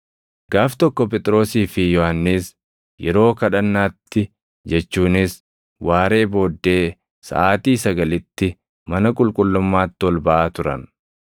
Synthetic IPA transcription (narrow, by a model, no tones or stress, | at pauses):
ɡaːft̪ɔkːɔp̬ɛt̪ʼɾo̞ːsiːfɪjɔhanːeːs | jɛɾo̞ːkɐᶑɐnːaːt̪ːɪ | d͡ʒɛt͡ʃːuːnɪs | waːɾe̞ːbo̞ːd̪ːe̞ː | sɐ̰ʔaːt̪iːsɐɡɐlɪt̪ːɪ | mɐnɐkʼʊlkʼʊlːʊmːaːt̪ːɪɔlbɐʔaːt̪ʊɾɐ̰n